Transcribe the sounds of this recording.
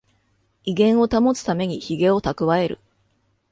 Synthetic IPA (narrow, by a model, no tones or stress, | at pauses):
iɡẽ̞ɰ̃o̞t̪amo̞t͡sɨ̥t̪ame̞ɲ̟içiɡe̞o̞t̪akɯ̟βae̞ɾɯ̟̰